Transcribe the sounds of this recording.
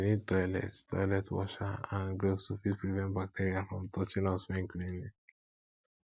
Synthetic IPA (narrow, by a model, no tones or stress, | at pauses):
nitɔjlɛ̰ttɔ̰jlɛtwɔ̰ʃaãnɡɾofsufispɹivɛ̃ntbak̚tʰeɾiafɹɔ̃mtʰɔt͡ʃĩnɔswɛ̃nklĩnlĩ